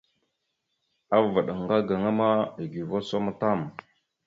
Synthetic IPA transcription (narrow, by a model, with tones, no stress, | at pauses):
a˦va˨ɗa˨ŋ˨ɡa˦ɡa˨ŋa˦ma˦i˨ɡi˨vo˦so˦ma˦ta˦˨m